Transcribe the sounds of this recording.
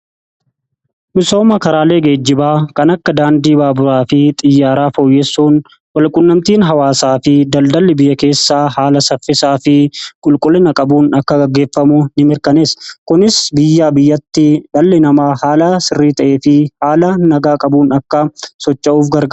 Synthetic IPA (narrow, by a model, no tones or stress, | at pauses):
mɪso̞ːmɐkɐɾaːle̞ːɡe̞ːd͡ʒːɪbaːkɐnɐkːɐd̪aːnd̪iːbaːbʊɾaːfɪt̪ʼɪjːaːɾaːfoːjːɛsːuːn | wɐlkʼʊnːɐmt̪iːnɦɐwaːsaːfɪd̪ɐld̪ɐlːɪbɪjːɐke̞ːsːaːhaːlɐsɐfːɪsaːfɪkʼʊlkʼʊlːɪnɐkʼɐbuːnɐkːɐɡɐɡːe̞ːfːɐmuːnɪmɪɾkɐne̞ːskʊnɪsbɪjːaːbɪjːɐt̪ːɪᶑɐlːɪnɐmaːhaːlasɪrːiːt̪ɐʔe̞ːfɪhaːlɐnɐɡaːkʼɐbuːnɐkːɐsɔt͡ʃʼːɐʔuːfɡɐɾɡɐ